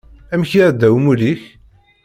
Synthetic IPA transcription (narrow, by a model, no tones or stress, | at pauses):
æmçiɾd̪æwmuliç